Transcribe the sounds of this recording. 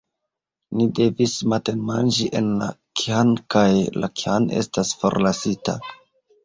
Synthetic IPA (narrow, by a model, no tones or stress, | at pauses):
nide̞vismate̞nmand͡ʒiʔe̞nla̰kiankajla̰kiane̞̰stasfo̞̰ɾlasita̰